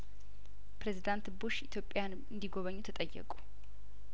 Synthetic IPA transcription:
pɾe̞zid̪ant̪buʃit̪ʰjo̞pʼːjan | ɨnd̪iɡo̞βəɲːut̪ʰət̪ʼəjːɛ̰kʼu̥

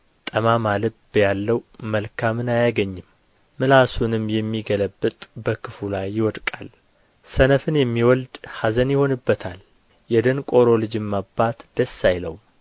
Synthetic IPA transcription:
t̪ʼəmamalɨbjalːəwməlkʰamɨnajaɡəɲːɪmː | ɨlasunɨmjɛmːiɡələbːɨt̪ʼbəkʰɨfulajːɪwɔd̪kʼal | sənəfɨnjɛmːiwɔld̪hazənjɪho̞nɨbːət̪ʰal | jɛd̪ənkʼo̞ɾolɨd͡ʒɨmːabːat̪d̪̥əsːajlə̰w

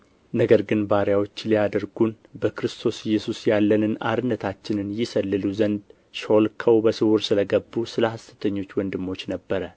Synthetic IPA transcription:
nəɡəɾɡɨnbaɾjawo̞t͡ʃːlijad̪əɾɡun | bəkɾɨst̪ʰo̞sɪjːɛsusjalːənɨna̰ɾɨnːət̪ʰat͡ʃːɪnɨnjɪsəlːɨluzənd̪ | ʃolkʰəwbəsɨwuɾsɨləɡəbːusɨləhast̪ʰə̥t̪ʰəɲːo̞t͡ʃːwɔnd̪ɨmːo̞t͡ʃːnəbːəɾə

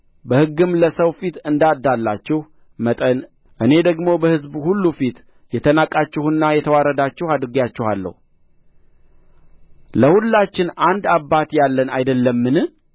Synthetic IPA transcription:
bəhɨɡːɨmləsəwfit̪ɨnd̪ad̪alːat͡ʃːɪh | mət̪ʼən | ʔɨne̞d̪əɡmo̞bəhɨzbhulːufit̪ | jɛt̪ʰənakʼat͡ʃːɪhɨnːajɛt̪ʰəwaɾəd̪at͡ʃːɪhad̪ɾɨɡjat͡ʃːɪhalːə̰hu | ləhulːat͡ʃːɪnand̪abːat̪jalːənajd̪əlːəmːɨnɨ

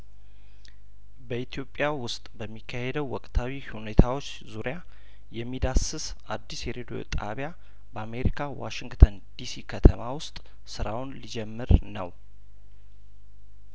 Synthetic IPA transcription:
bəit̪ʰjo̞pʼːjawʊst̪ʼbəmːikʰːahed̪əwːɔkʼt̪ʰawihune̞t̪ʰawo̞t͡ʃːzuɾija | jɛmːid̪asɨs | ʔad̪ːisjɛɾed̪ijo̰t̪ʼa̰βja | bəame̞ɾikʰawa̰ʃɪŋɡt̪ʰənd̪̥isikʰət̪ʰəmawʊst̪ʼ | sɨɾawʊnlid͡ʒɛmːɨɾnə̰w

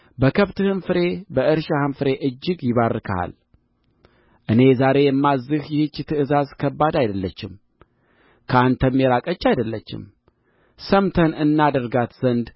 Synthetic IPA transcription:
bəkʰəβt̪ɨhɨnfɨɾe̞bəʔɨɾʃahɨnfɨɾe̞ʔɨd͡ʒːɪɡjɪβarɨkʰa̰l | ʔɨne̞zaɾe̞jɛmːazɨhjɪhɨt͡ʃːt̪ʰɨʔɨzazkʰəbːad̪ajd̪əlːət͡ʃːɪ̰m | kʰəant̪ʰəmːeɾakʼət͡ʃːajd̪əlːət͡ʃːɪ̰m | səmt̪ʰənɨnːad̪əɾɡat̪z̥ənd̪

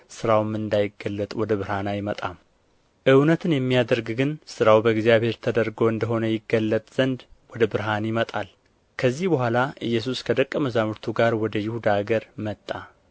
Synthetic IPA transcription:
sɨɾawmɨnd̪ajɪɡːəlːət̪ʼwɔd̪əbɨɾhanajɪmət̪ʼam | ʔɨwnət̪ʰɨnjɛmːijad̪əɾɡɡɨnsɨɾawbəɨɡzjaβhe̞ɾt̪ʰəd̪əɾɡo̞ɨnd̪əɦo̞nəjɪɡːəlːət̪ʼz̥ənd̪wɔd̪əbɨɾɦanjɪmət̪ʼal | kʰəzːihbəhʷalaʔɨjːɛs̬uskʰəd̪əkʼːəməzamɨɾt̪ʰuɡaɾwɔd̪əjɪhud̪aɡəɾmət̪ʼːa

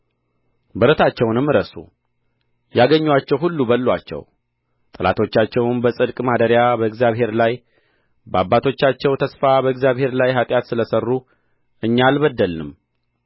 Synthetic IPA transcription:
bəɾət̪ʰat͡ʃːɛwnɨmːɨɾəsṵ | jaɡəɲːwat͡ʃːɛwɦulːubəlːwa̰t͡ʃːɛ̰w | t̪ʼɨla̰t̪ʰo̞t͡ʃːat͡ʃːɛwnbəsʼɨd̪kʼmad̪əɾjabəɨɡzjaβhe̞ɾlaj | bəabːat̪ʰo̞t͡ʃːat͡ʃːɛwt̪ʰəsfabəɨɡzjaβhe̞ɾlajɦat̪ʼjat̪sɨləsərːu | ʔɨɲːalbəd̪ːəlnɨ̰m

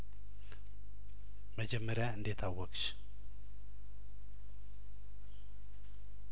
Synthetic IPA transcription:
məd͡ʒɛmːəɾjaɨnd̪et̪ʰawəkʃ

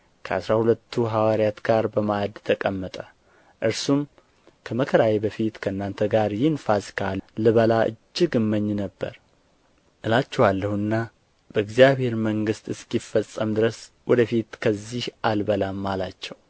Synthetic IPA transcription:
kʰəasɾahulət̪ʰːuɦawaɾjat̪ɡ̥aɾbəmad̪t̪ʰəkʼəmːət̪ʼə | ʔɨɾsum | kʰəməkʰəɾawebəfit̪kʰəɨnːant̪ʰəɡaɾjɪnfaskʰalɨβəlaʔɨ̰d͡ʒːɪɡɨmːəɲːnəbːə̰ɾ | ʔɨlat͡ʃːɛwalːəhuɨnːa | bəɨɡzijaβhe̞ɾməŋɡɨst̪ɨskifːəsʼːəmd̪ɨɾəs | wɔd̪əfit̪kʰəzːihʔalbəlamːalat͡ʃːɛw

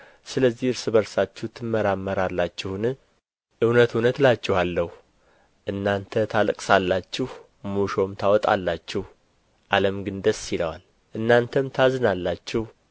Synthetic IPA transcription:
sɨləzːihɨɾsɨβəɾsat͡ʃːuht̪ʰɨmːəɾamːəɾalːat͡ʃːɪhnɨ | ʔɨwnət̪unət̪lat͡ʃːɪhalːəhu | ʔɨnːant̪ʰət̪ʰalkʼsalːat͡ʃːɪh | muʃo̞mt̪ʰawɔt̪ʼa̰lːat͡ʃːɪh | ʔaləmɡɨnd̪əsːiləwa̰l | ʔɨnːant̪ʰəmt̪ʰazɨnalːat͡ʃːɪh

